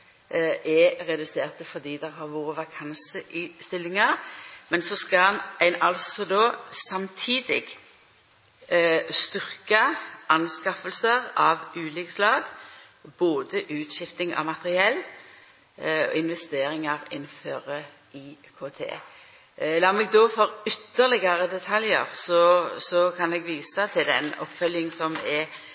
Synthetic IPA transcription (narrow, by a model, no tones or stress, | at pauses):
ʔɛʁɛd̪ʉseːʁt̪əfɔd̪iːd̪ɛhɑʁʋoːʁəʋɑkʰɑnsəʔyst̪ɪlːɪŋɑʁmɛnsɔskɑɑnæɪnɑlsɔd̪oːsɑmt̪ʰiːd̪ɪ̰ɡ | st̪ʏʁkəʔɑnskɑfəlsəʁɑʋʉːlɪkslɑːɡ | boːd̪əʔʉːt̪ʃɪft̪ɪŋɑ̰ʋmɑt̪əʁɪɛl | ɔ̰ɪnʋɛst̪eːɾɪŋəʁɪnføːʁə | ikʰoːt̪ʰḛː | lɑːmɛɡ̚d̪ɔfɔːʁʏt̪ːəʁlɪɡəʁəd̪ɛt̪ʰɑljə̰ʁsɔsɔkʰɑnɛɡʋiːsət̪ʰɪld̪ɛ̰nɔ̰pfœljɪŋsɔmɛ